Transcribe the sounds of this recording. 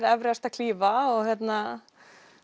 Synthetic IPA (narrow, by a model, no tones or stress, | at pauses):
ðɛvɾɛst̪akʰliːvaɔɣhjɛt̪na